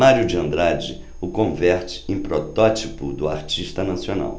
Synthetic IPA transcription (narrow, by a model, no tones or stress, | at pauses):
maɾjʊd͡ʒiɐ̃nd̪ɾad͡ʒɪ | ʊkõvɛɾt͡ʃɪ̥ẽpɾɔt̪ɔt͡ʃipʊd̪ʊa̰ɾt͡ʃiʃt̪ɐnasiona̰w